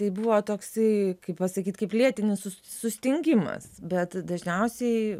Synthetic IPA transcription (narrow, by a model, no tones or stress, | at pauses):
t̪ɐɪbuʋoːt̪oːksɐɪkɐɪppɐsɐkʲiːt̪kɐɪplʲiɛt̪ʲɪnʲɪsʊsʊsʲt̪ʲɪŋʲɡʲɪmɐ̰sbʲɛt̪d̪ɐʒʲnʲɛʊsʲɛɪ